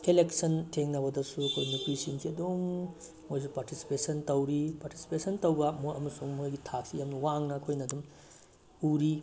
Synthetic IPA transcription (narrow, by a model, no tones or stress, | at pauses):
keleksɐntʰeŋnɐbɐdɐsuɐkʰojnupisinsʰiɐdomː | ojs̬upaɾtisi̥pesɐntɐwɾipaɾti̥si̥pesɐntɐwɡɐmuɐmɐsuŋhojɡitʰak̚sijamnɐwaŋnɐɐkʰojnɐdum | uɾi